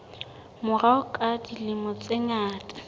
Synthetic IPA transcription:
mʊraʊkʼadilɪmɔt͡sʼɪŋaːtʼḁ

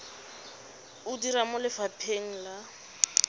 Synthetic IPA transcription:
ʊdiɾamʊlɪfapʰeŋ̩la

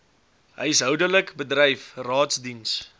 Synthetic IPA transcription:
ɦəjəsɦœwdələkbədrəjfrɑːtsdins

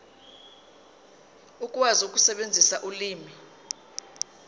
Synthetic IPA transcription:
ukʼwazuk̬ʼusɛɓend͡zʱisaʔuliːmi

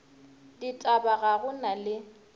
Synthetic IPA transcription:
ditʼabaɣaɣʊnalɪ

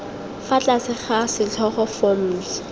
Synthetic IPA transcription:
fat͡ɬʼasɪχasɪt͡ɬʰɔχɔfɔm̩ːs

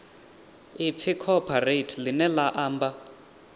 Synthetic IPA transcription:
ip̪fʰikʰɔpʰaretʰlinɛlaʔaːmba

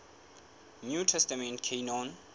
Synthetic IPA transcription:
njutʰɛstəmɛ̃nkʰẽnɔ̃n

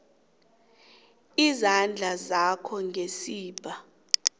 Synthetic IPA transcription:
izand͡ɮʱazakʰɔŋɡʱesiːb̥ʱa

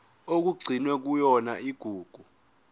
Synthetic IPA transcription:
ok̬uɡ͡ǀʱinwɛk̬ujɔnaiɡ̥ʱuːɡ̥ʱu

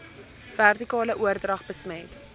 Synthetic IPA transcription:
v̥ærtikɑːləʔuərdrɐχbəsmɛjt

